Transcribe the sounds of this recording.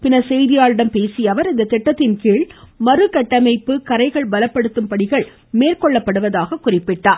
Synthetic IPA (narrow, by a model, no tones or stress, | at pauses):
pɪnɐsɛjðɪjaːɭɪɽɐmpeːsɪjɐʋɐɾɪnd̪ɐt̪ːɛʈːɐt̪ːɪnkiːɭmɐɾɯkɐʈːɐmɐɪpːɯkɐɾɐɪɣɐɭbɐlɐpːɐɽɯt̪ːɯmpɐɽɪɣɐɭ | meːrkɔɭːɐpːɐɽɯʋɐðaːɣɐkʊrɪpːɪʈːaːɾ